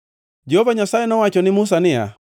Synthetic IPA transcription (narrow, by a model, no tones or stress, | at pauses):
d͡ʒɛhɔvaɲasaɛnɔwat͡ʃɔnɪmus̬anɪa̰